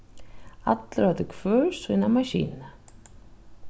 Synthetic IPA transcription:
a̰t̪lɾat̪ʏkʰv̥œ̥ːsvinamaɕḭːna

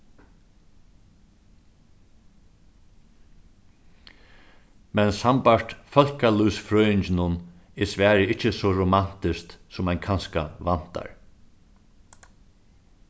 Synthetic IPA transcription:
mɛnsampaɹt̪fœl̥kaluːsfɾœːjɪɲt͡ʃɪnʊn | ɛsʋɛːɾɪɪt͡ʃːəsɔɾʊmant̪ɪst̪sʊmajnkʰanska̰ʋan̥t̪a̰ɹ

